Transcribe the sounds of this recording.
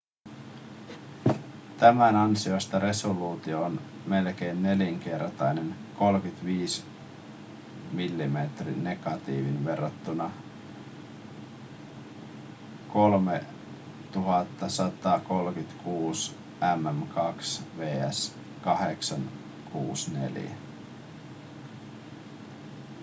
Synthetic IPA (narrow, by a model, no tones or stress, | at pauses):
t̪æmænɑnsio̞st̪ɑɾe̞soluːt̪ioːn | me̞lk̟ejnːe̞liŋk̟e̞rt̪ɑjne̞nko̞lkyt̪ʋiːs | milːimet̪rḭnːe̞ɡɑt̪ḭːʋinʋe̞rːot̪ːunɑ | kolme | t̪uɦɑt̪ːɑsɑt̪ɑko̞lkyt̪kʰuːs | æmæmkɑksʋeːæ̰s | kɑheksɑn | kʰṵːsnḛl̰jæ̰